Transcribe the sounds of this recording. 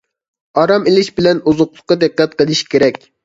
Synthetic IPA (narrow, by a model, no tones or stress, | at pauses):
ɑɾɑmelɪʃbɪlɛnuzʊqlˠʊqːɑd̪ɨqːɛt̪̚qəlˠɪʃkʲeɾɛkʲ